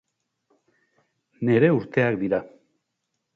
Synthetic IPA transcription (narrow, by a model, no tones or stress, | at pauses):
ne̞ɾe̞uɾt̪e̞akd̪iɾa